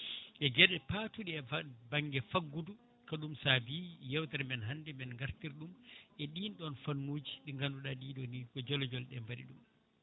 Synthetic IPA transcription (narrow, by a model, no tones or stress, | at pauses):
ʔɛɡɛɗɛpatuɗiɛbaŋɡɛfaɡːudu | kaɗumsabijɛwtaɾmɛnɦandɛmɛnŋɡaɾtiɾɗumʔɛɗinɗɔnfanːuːd͡ʒiɗiŋɡanduɗaɗiːɗɔnikɔd͡ʒɔlɔd͡ʒɔlɗɛmbaɗḭɗum